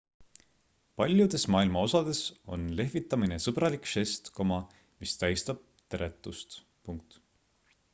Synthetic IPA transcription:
pɑlʲjud̪̥e̞smɑːilmɑo̞sɑd̪̥e̞so̞nle̞ɦvit̪ːˑɑmine̞sɤbrɑlikʃe̞st̪ko̞mɑ | mist̪æjst̪ɑb̥̚t̪eɾʔe̞t̪ːˑust̪ | puŋk̚t̪

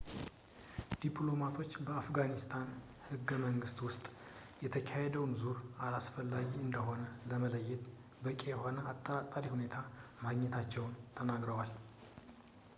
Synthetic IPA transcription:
d̪̥ipʰʼlo̞mat̪ʰo̞t͡ʃːbəafɡanist̪ʰan | hɨɡːəməŋɡɨst̪wʊst̪ʼjɛt̪ʰəkʰahed̪əwnzuɾalasfəlːaɡiɨnd̪əho̞nələmələjːɛt̪ | bəkʼejɛho̞nəat̪ʼːəat̪ʼːaɾihune̞t̪ʰamaɡɲɛt̪ʰat͡ʃːɛwnt̪ʰənaɡɾəwal

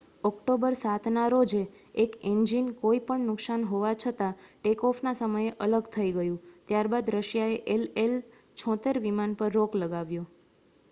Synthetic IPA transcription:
ɔkʈobəɾsat̪ʰnaɾod͡ʒeekend͡ʒinkoipəɳnʊksanɦoʋat͡ʃʰət̪aʈekɔfnasəməjeʔələɡt̪ʰəiɡəjũt̪jaɾbad̪ɾəʃjaeʔelel | t͡ʃʰɔ̃t̪eɾʋimanpəɾːokləɡaʋjo

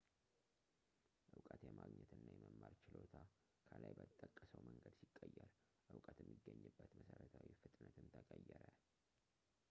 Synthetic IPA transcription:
ʔɨwkʼət̪jɛmaɡɲɛt̪ɨnːajɛməmːaɾt͡ʃɪlot̪ʰa | kʰəlajbət̪ʼːəkʼːəsəwməŋɡəd̪sikʼːəjːɛɾ | ʔɨwkʼət̪jɛmːiɡːəɲːɨbːət̪məsəɾət̪ʰawifɨt̪ʼnət̪ʰɨnt̪ʰəkʼəjːɛɾə

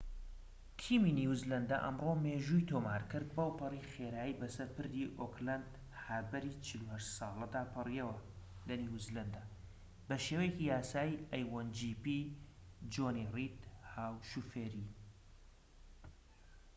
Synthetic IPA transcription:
kʰiminiwzlɐnd̪a̰ʔɐ̰mroːmeːʒuːjt̪ʰoːmaːɾkɨɾd̪̚bɐwpɨriːxeːɾaːibɐsɐɾpɨɾd̪iʔoklɐnd̪ | haɾbɐɾiːt͡ʃʰiluhɐʃt̪sɑːlˠɐd̪aːpʰɨrijɛwɐ | lɐniwzlɐnd̪ɐ | bɐʃeːwɛjecijaːsaːiʔɐjwɐnd͡ʒipi | d͡ʒoːnirit̪haːwʃufeːɾi

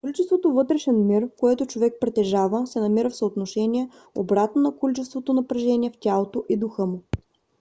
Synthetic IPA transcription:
kolit͡ʃɛst̪vot̪ovɤt̪ɾɛʃɛnmiɾkoɛt̪ot͡ʃovɛk̚pɾɛt̪ɛʒavəsɛnɐmiɾəfsəot̪noʃɛnʲiɛ | obɾat̪nonɐkolit͡ʃɛst̪vot̪onɐpɾɛʒɛnʲiɛftʲalˠot̪oʔid̪ʊxɤmʊ

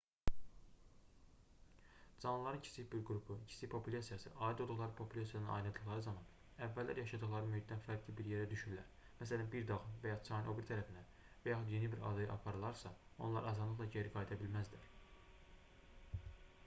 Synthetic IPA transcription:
d͡ʒɑnːlˠɑɾɯncʰi̥sʰiçbiɾɡɾupʰucʰi̥sipʰo̞pʰulʲɑsijɑsɯ̰ʔɑːid̪olˠd̪uɣlˠɑɾɯpʰo̞pʰulʲɑsijɑnɯnɑ̰jnɯd̪ɯχlˠɑɾɯzɑmɑn | ævːælːæ̰ɾjɑʃɑd̪ɯχlˠɑɾɯmyhit̪̚ːd̪ænfæɾʰibiɾjeɾæd̪yʃyɾylæɾ | mæsælænbiɾd̪ɑɣɯnvæjɑt͡sʰɑinʔobiɾt̪ʰæɾæfind̪æn | væjɑxud̪je̞nibiɾɑ̰d̪ɯjɯʔɑpʰɑɾɯlˠɑɾsɑo̞̰nlˠɑ̰ɾɑzɑd̪lˠɯχlˠɑɟeɾiɡɑjd̪ɑbilmæzd̪ilæɾ

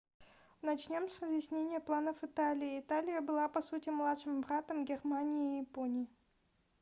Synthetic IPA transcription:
nɐt͡ɕnʲo̞msrəzjɪsʲnʲenʲɪjəplˠanəfɨt̪alʲɪɪɪt̪alʲɪjəbɨlˠapɐsutʲɪmlˠat̪ʂɨmbɾat̪əmɡʲɪrmanʲɪɪːjɪponʲɪjɪ

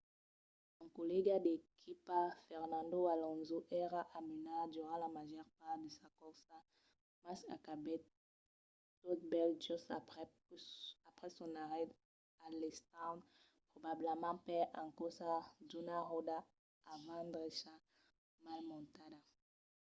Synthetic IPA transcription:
ãŋkolɛɡadekʰipafɛʁnãnd̪owalɔ̃nzuʔɛʁaʔamynad̪yʁãlamaʒɔʁpaʁd̪esakɔʁsa | masa̰kabɛ | t̪ot̪̚bɛlʒusapʁɛ | apʁɛsɔ̃naʁɛd | alest̪ãn | pʁobablemɑ̃pɛʔãŋkɔsadunaʁodaː | vãnd̪ʁeʃa | malmɔ̃nt̪ada

